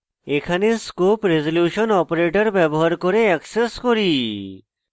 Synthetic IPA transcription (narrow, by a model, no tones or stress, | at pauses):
ekʰaneskoːpɾezoljuːʃɔnɔːpɾeːʈəɾbɛbɔɦaɾkɔɾeɛkseskɔɾiː